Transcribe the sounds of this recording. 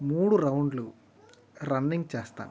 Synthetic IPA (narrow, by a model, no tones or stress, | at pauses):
muːɽuɾɐwɳɖlu | ɾɐnːiŋɡt͡ʃɛːst̪a̰ːnu